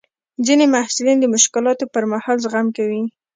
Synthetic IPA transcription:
zinemahsulind̪əmʊʃkɪlɑt̪opəɾmahɑlzɣamkawi

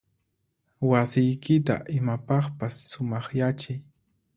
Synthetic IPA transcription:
wasɪjkɪt̪a̰ʔɪmapɑχpasːʊmɑχjat͡ʃɪj

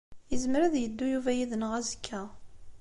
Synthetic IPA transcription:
jəzmɾæðjəd̪ːujuvæjiðənəʁæzə̥kʰːæ

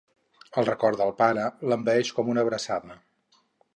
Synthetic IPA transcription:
əlˠrəkɔɾd̪əlˠpaɾələmbəɛʃkɔmunəβɾəsaðə

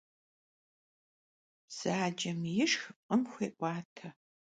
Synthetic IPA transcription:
z̥aːd͡ʒɐmjɪʂxʼəmxʷeːʔʷʼɑːtʰɐ

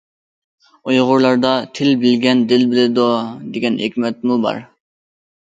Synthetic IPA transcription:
ojʁʊɾlˠɑɾd̪ɑt̪ʰɪlbɪlɡʲɛnd̪ɪlbɪlɪd̪od̪eɡʲɛnekʲmɛt̪̚mubɑ̰ɾ

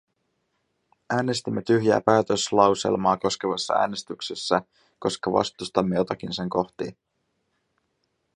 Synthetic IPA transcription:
ʔæːne̞st̪imːe̞t̪yɦjæ̰ːpæːt̪ø̞slɑwse̞̰lmɑːko̞skeʋɑsːɑ̰æ̰ːne̞st̪yksesːæ | ko̞skɑʋɑ̰st̪ust̪ɑmːejo̞t̪ɑkinse̞ŋko̞ht̪iː

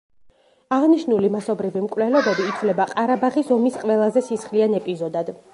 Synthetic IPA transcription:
aʁniʃnulimasɔbɾivimkʼwvlɛlɔbɛbiːt̪sʰvlɛbaqʼaɾabaχisɔmisqʼvɛlˠazɛsisχlianɛpʼizɔd̪ad̪

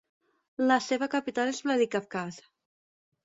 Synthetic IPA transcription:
laseβakapit̪alezβlaðikafkaz

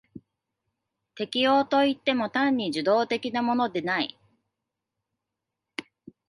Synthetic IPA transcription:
t̪e̞kʲijo̞ːt̪o̞it̪ːe̞mo̞t̪ãɲ̟ːiʑɨd̪o̞ːt̪e̞kʲinamo̞no̞d̪e̞naḭ

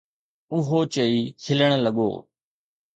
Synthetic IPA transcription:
ʊɦoːt͡ʃəiːkʰɪləɽ̃ləɠo̰ː

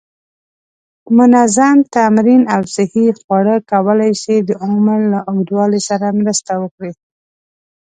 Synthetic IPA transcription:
mʊnazamt̪amɾinawsɪhixwɑɽəkawəlajsed̪əamaɾlaʔʊɡd̪wɑlesaɾamɾəst̪awəkɽi

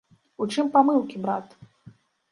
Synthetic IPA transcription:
ut͡ʂɨmpamɨlˠkʲibɾat̪

